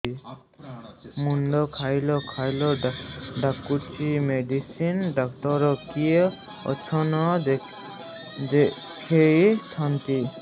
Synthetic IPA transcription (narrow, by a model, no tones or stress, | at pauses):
mundɔkʰajlɔkʰajlɔɖakːuʈʰimeɖisinɖak̚tɔɾɔkie | ɔ̰t͡ʃʰɔnɔ | de | kʰejtʰant̪i